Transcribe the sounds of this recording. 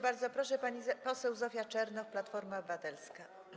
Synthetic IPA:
baɾd̪zɔpɾɔʂɛpaɲipɔsɛwzɔfʲjat͡ʂɛɾnɔfplat̪fɔɾmabat̪ɛlska

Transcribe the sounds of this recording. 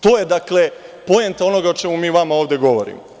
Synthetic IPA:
t̪oːjed̪akle̞po̞jent̪ao̞no̞ɡaot͡ʃe̞mumiːʋamaoːʋd̪e̞ɡo̞ʋoɾḭmo

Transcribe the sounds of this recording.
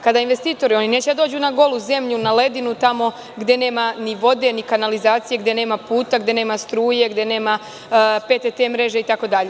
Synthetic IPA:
kad̪ainʋe̞st̪iːt̪o̞ɾio̞nine̞ːt͡ɕed̪ad̪o̞ːd͡ʑunaɡo̞lˠuze̞mʎunale̞d̪inut̪amo̞ | ɡd̪je̞ne̞ːmaniʋo̞d̪e̞nikanalizaːt̪sije̞ɡd̪je̞ne̞ːmapuːt̪aɡd̪je̞ne̞ːmast̪ɾuːje̞ɡd̪ene̞ːma | pet̪et̪emɾeʒeit̪ako̞d̪aʎe

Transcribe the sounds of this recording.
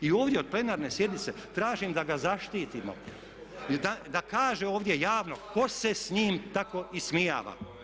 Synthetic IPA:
io̞ːʋd̪jeo̞d̪̚ple̞naːɾnesje̞d̪nit̪set̪ɾaːʒimd̪aɡazaʃt̪iːt̪imo̞̰ | d̪ad̪akaːʒeo̞ːʋd̪jejaːʋno̞ko̞se̞sɲiːmt̪ako̞ismija̰ːʋa̰

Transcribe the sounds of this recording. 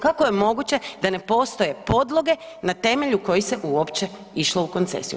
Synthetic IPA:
kako̞jemo̞ɡut͡ɕe̞d̪ane̞po̞ːst̪o̞je̞po̞d̪lˠo̞ɡe̞ | nat̪e̞me̞ʎuko̞jise̞ʔuopt͡ɕe̞ | iʃlˠouko̞nt̪sḛsijṵ

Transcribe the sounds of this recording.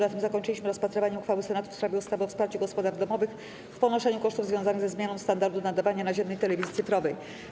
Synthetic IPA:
at̪ɘmzakɔɲt͡ʂɘlʲiɕmɘɾɔspat̪ɾɘvaɲɛuxfawɘsɛnat̪u̥fspɾavʲjɛust̪avɛɔfspaɾt͡ɕɛɡɔspɔd̪aɾvd̪ɔmɔvɘx | fpɔnɔʂɛɲukɔʂt̪uvzvjɔ̃zanɘɣzɛzmʲjanɔ̃w̃st̪and̪aɾd̪unad̪avaɲanaʑɛmnɛjt̪ɛlɛvʲizjit̪sɘfɾɔvɛj

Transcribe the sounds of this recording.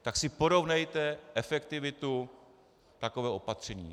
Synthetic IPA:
t̪aksɪpo̞ɾo̞vnɛjt̪ɛʔɛfɛkt̪ɪvɪt̪u | t̪akovɛːʔo̞pat̪r̝̥ɛɲḭː

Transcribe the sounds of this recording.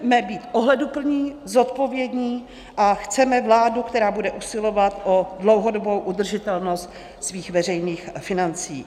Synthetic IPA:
mɛbiːt̪ʔoɦlɛdupl̩ɲiːzo̞t̪̚po̞vjɛdɲiː | ʔaxt͡sɛmɛvlaːdukt̪ɛɾaːbudɛʔusɪlo̞vat̪ʔodlo̞wɦo̞dobowʔud̪r̩ʒɪt̪ɛlno̞st̪ | sviːxvɛrɛjniːxfɪnant͡sḭː

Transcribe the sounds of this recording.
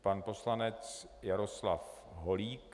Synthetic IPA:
panpo̞slanɛt͡s | jaɾoslaf | ɦoliːk

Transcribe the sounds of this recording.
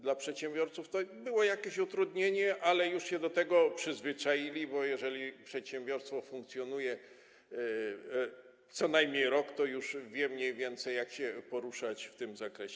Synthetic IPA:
d̪lapʂɛt̪ɕɛmbʲjɔɾt̪suft̪ɔbɘwɔjakʲeɕut̪ɾud̪ɲeɲɛʔalɛjuʂɕɛd̪ɔt̪ɛɡɔpʂɘzvɘt͡ʂajilʲibɔjɛʐɛlʲipʂɛt̪ɕɛmbʲjɔɾst̪fɔfuŋkt̪sʲjɔnujɛ | t̪sɔnajmɲejɾɔkt̪ɔjuʂvʲjɛmɲejvʲjɛnt̪sɛjjakɕɛpɔɾuʂat͡ɕft̪ɘmzakɾɛɕɛ

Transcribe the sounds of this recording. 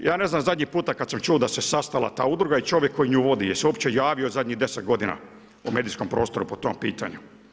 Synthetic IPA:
jaːne̞znamzad̪ʲɲixpuːt̪akad̪samt͡ʃuːd̪asesast̪ala̰t̪a̰ːud̪ɾuɡait͡ʃo̞ʋjekʰːo̞jiɲuːʋo̞d̪ijeseuopt͡ɕe̞jaːʋiozad̪ʲɲiɦd̪e̞set̪̚ɡo̞d̪ina̰ | ume̞ːd̪iskompɾo̞ːst̪o̞ɾupot̪o̞mpḭːt̪a̰ɲu

